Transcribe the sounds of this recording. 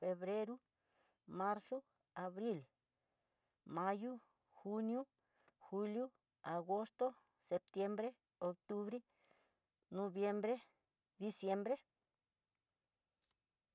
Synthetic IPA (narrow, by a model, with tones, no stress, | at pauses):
fe˧βɾe˦ɾu˦ | ma˦ɾso˦ | a˨βɾi˦˨l | ma˦ju˦ | xu˦nju˦ | xu˧lju˦ | a˨ɡo˦st̪o˦ | se˧p̚t̪je˦mbɾe˦ | o˧k̚t̪u˦βɾe˦ | no˧bje˧mbɾe˦ | d̪i˧sje˦mbɾe˦